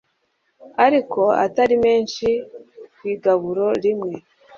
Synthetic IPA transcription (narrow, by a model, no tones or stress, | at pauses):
aɾiko̞a̰taɾime̞ːnʃiwiːɡaβuɾo̞ɾimŋe̞